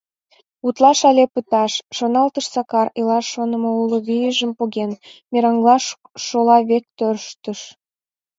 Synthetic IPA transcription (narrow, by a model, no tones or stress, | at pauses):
ut̪lɑʃɑlʲepət̪ɑʃːonɑlt̪əʃsɑkɑrilɑonə̆mouloβijəʒəmpoɣenmʲeɾɑŋɡlɑʃ | ʃolɑβek̚t̪ørʃt̪ə̆ʃ